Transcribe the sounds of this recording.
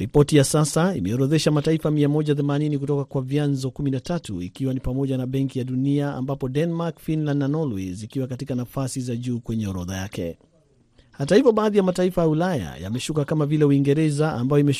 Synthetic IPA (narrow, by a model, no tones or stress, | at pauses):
ɾipɔtijasasaimɛɔɾɔðɛʃamataifamiamɔʄaθɛmaninik̬utɔkakwavjanzɔkuminatatṵḭkiwanipamɔʄanaɓɛŋkijaɗuniaa̰mbapɔdɛnmakfinlandnanɔlwizikiwakatikanafasizaʄuːkwɛɲɛɔɾɔða̰jakɛ̰ | hatahivɔɓaːðijamataifajaulaja̰ja̰mɛʃukakamavilɛuiŋɡɛɾɛzaa̰mbajɔimɛ